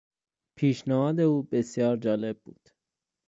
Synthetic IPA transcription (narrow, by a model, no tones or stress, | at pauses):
pʰiːʃnɛhɒːd̪e̞uːbesjɒːɾd͡ʒɒːle̞bbṵːd̪̥